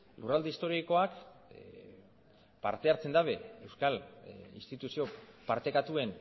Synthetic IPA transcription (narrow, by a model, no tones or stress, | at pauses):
lurald̪eist̪o̞ɾiko̞ak | pa̰ɾt̪e̞aɾt͡se̞nd̪aβe̞e̞wskalḭnst̪it̪usio̞paɾt̪e̞kat̪ue̞n